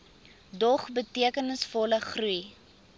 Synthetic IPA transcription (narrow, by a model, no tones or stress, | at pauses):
dɔχbətiəkənəsfɔləχruj